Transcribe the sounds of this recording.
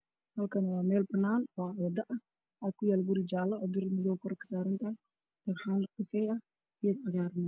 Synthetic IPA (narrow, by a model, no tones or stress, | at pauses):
hɐlkʰɐnwɑːmɛːlbɐnːaːnwɔajɐd̪ɐʔɐ | aːkʰʊjaːlbʊɾɪd͡ʒaːlɐɔd̪ɪrmɪjɔkʰʊɾɐkʰɐ̥saːɾɐnt̪ʰɐɛ | d̪̥ɐmħaːnqɪfɛjɐ | ɪjɐd̪ɐɣaːɾn